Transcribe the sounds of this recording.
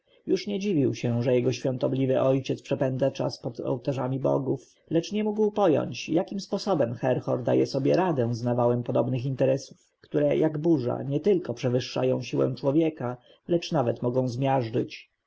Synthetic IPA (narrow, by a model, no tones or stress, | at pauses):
juʂɲɛd͡ʑivʲiwɕɛʐɛjɛɡɔɕfʲjɔ̃nt̪ɔblʲivɘʔɔjt͡ɕɛt̪spʂɛpɛnd̪zat͡ʂa̰spɔd̪ɔ̰wt̪aʐamʲibɔ̰ɡuf | lɛt͡ʂɲɛmuɡwpɔjɔ̰ɲt͡ɕjakʲimspɔsɔbɛmxɛɾxɔɾd̪a̰jɛsɔbʲjɛɾad̪ɛ̃znavawɛmpɔd̪ɔbnɘxint̪ɛɾɛsu̥f | kt̪uɾɛjʔaɡbuʐa̰ɲɛt̪ɘlkɔpʂɛvɘʂːa̰jɔ̃w̃ɕiwɛ̰̃w̃t͡ʂwɔvʲjɛka | lɛt͡ʂnavɛt̪mɔɡɔ̃w̃zmʲjaʐd͡ʐɘt͡ɕ